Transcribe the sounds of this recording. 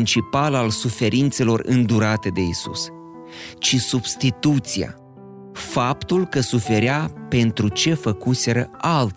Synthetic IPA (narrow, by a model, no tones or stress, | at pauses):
nt͡ʃipalalsufe̞ɾʔint̪se̞lo̞rɨ̰nd̪uɾat̪e̞d̪e̞isṵs | t͡ʃisubst̪it̪ut̪sija̰ | fapt̪ulkəsufe̞ɾeape̞nt̪ɾut͡ʃe̞fəkuse̞ɾəʔalt̪